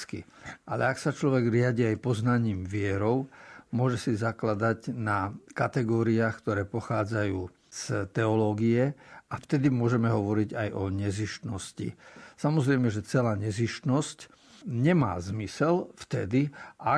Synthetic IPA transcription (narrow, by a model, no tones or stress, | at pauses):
skḭʔalɛ̰aksat͡ʃlɔʋɛɡɾɪaɟiajpɔznaɲiːmʋɪɛɾɔʊmʊɔʒɛsizaklad̪aɟnakat̪ɛɡɔːɾiaːxkt̪ɔɾɛːpɔxaːd͡zajuː | st̪ɛɔlɔːɡiɛaft̪ɛd̪imʊɔʒɛmɛɦɔʋɔɾiɟajɔɲɛziʃt̪nɔscḭsamɔzɾɛjmɛʒɛt͡sɛlaːɲɛziʃt̪nɔsc | ɲɛma̰ːzmisɛlft̪ɛd̪iʔa